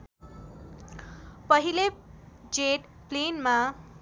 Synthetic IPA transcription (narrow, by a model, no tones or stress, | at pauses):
pʌɦile | d͡zeʈ | plenma